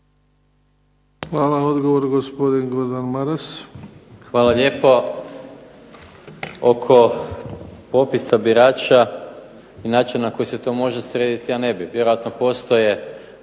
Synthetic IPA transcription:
xʋaːlaod̪ɡoʋoɾɡospod̪inɡoɾd̪anmaɾas | xʋaːlale̞ːpo̞ | okʰo̞ | po̞pisabiɾaːt͡ʃa | inaːt͡ʃinnako̞jise̞t̪o̞ːmo̞ʒesɾeːd̪it̪iane̞biʋjeɾojat̪no̞po̞st̪o̞je̞

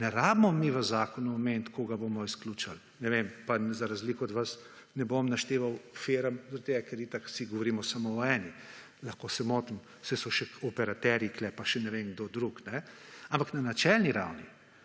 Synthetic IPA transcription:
nɛɾabmɔmiʋəzaːkɔnuɔment̪kʰoɡaboːmɔisklut͡ʃal | nɛʋempazaɾazliːkɔɔd̪ʋasnɛbomnaʃt̪eːʋawfeɾamd̪ɔt̪eɡakɛɾit̪aksiɡɔʋɔɾiːmɔsamɔɔɛːni | laxkosɛmoːt̪m | sɛsɔʃɛɔpɛɾat̪ɛɾiklɛpaʃɛnɛʋenɡd̪od̪ɾuknɛampaknanat͡ʃɛlniɾawni

